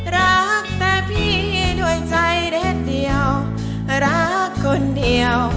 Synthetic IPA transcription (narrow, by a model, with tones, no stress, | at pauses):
ɾa˧˥k̚t̪ɛː˧˩pʰiː˧˥˩t̪u˧˩əjt͡ɕa˧jɾɛ˧˩t̚di˨˧əw | ɾa˦˧˥kʰːo˧ndi˨˩əw